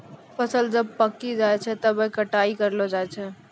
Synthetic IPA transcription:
fɐsəld͡ʒɐb̚pɐkːid͡ʒaːet͡ʃʰɛt̪ɐbekɐʈaːikɐɾlod͡ʒaːet͡ʃʰɛ

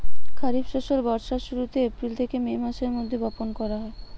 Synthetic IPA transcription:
kʰaɾibʃoʃolbɔɾʃaʃuɾut̪eepɾilt̪ʰekememaʃeɾmod̪ʱːebɔponkɔɾaɦɔe

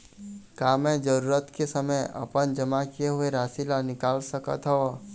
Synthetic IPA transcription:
kaːmɛ̃d͡ʒəɾuːɾət̪kesəməjɐ̰pənd͡ʒəmakieɦʊeɾaːsilanɪkaːlsəkə̰t̪ɦɔ

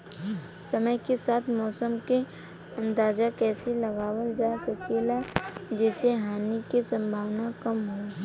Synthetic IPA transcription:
sɐməjkesaːt̪ʰmɔːsəmke | ɐ̃nd̪aːd͡ʒakɛːselɐɡaːwəld͡ʒaːsəkelad͡ʒɛːseɦaːnikisə̃mbʱaːwnakəmɦo

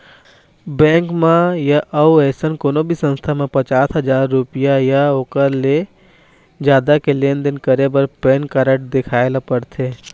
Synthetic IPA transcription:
bɛ̃ːŋkmãjaʔɐuɛːsənkoːnobʱisə̃nst̪ʰamẽpɐt͡ʃaːsɦɐd͡ʒaːɾːʊpijajaoːkəɾle | d͡ʒjaːd̪akelẽːnd̪ɪnkəɾebəɾpeːnkaɾəʈ̚d̪ɪkʰaːelapəɾt̪ʰeː

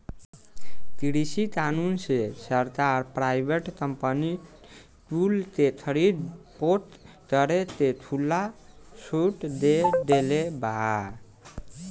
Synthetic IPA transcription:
t̪iɽisik̪anunsesəɾt̪aɾpɾajbeʈkəmpəni | ʈult̪et̪ʰəɽipoʈ | k̪əɾet̪et̪ʰulːasuʈd̪eɖelebaa

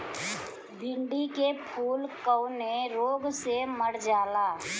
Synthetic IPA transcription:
bʱɪ̃ɳɖikepʰuːlkəʊneɾoːɡseməɾd͡ʒaːlaː

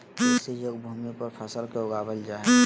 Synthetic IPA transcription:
ɛsejoɡbʱumipəɾpʰəsəlkeʊɡaːbəld͡ʒaː

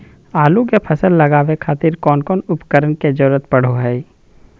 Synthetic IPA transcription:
aːlukepʰɐsəlːɐɡaːʋekʰaːt̪ɪɾkɔːnkɔːnʊpkəɾənked͡ʒəɾuɾət̪pɐɽ̤oɦɛː

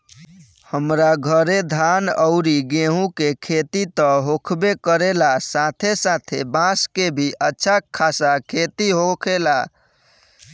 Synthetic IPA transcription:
həmɾaɡʱəɾed̪ʱanəʊɾiɡeɦũkekʰet̪it̪ə̃ɦokʰbekəɾelasat̪ʰesat̪ʰḛbãskebʱiʔətːʃʰakʰːasakʰet̪iɦokʰela

